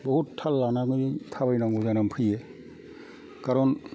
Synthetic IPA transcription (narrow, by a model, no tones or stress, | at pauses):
bɔɦuttʰːalːanaɡɯnitʰabajnaŋɡuzanampʰɯjɛ | kaɾɔn